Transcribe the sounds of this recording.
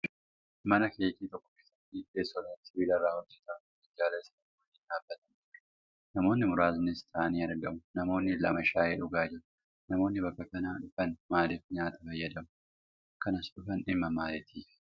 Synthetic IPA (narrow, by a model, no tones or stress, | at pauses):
mɐnɐkeːkːiːt̪ɔkːɔ̥keːsːɐt̪ːɪeːsːɔlɐɐsɪbiːlɐrːaːhʊnd̪ɛt̪aːn | ɪd͡ʒaːlɐsɐnɐm | ɪnᶑaːbːɐt̪ɐm | nɐmo̞ːnːɪmʊɾaːzɪnɪst̪ʼaːɐniːɐɾɡɐmʊnɐmo̞ːnːɪlɐ̰mɐʃaːjeːᶑʊɡaːd͡ʒɪɾʊ | nɐmo̞ːnːɪbɐkːɐkɐnaːᶑʊfɐnmaːlɛfɲaːt̪ɐfɐjːɐd̪ɐmʊ | kɐnɐsᶑʊfɐnɪmːɐmaːlɛt̪ʰiːfɪ̥